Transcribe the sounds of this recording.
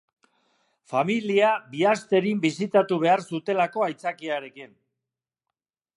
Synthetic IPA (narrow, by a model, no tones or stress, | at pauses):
familiabiast̪e̞ɾimbisit̪at̪uβe̞aɾsut̪e̞lako̞ajt͡sakiaɾe̞kin